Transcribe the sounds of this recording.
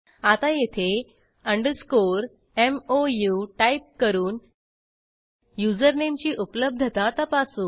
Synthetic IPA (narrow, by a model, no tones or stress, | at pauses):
at̪ajet̪ʰe | əɳɖəskoɾ | emojuʈaip̚kəɾuːn | jud͡zəɾnemt͡ɕiːʔupləb̚d̪ʱət̪at̪apasuː